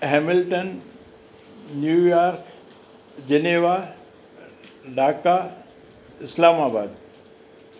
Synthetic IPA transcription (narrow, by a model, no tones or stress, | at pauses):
ɦɛːmɪlʈən | juːjaːɾk | d͡ʑeneːʋa | ɖaːka | ɪslaːmaːbaːd̪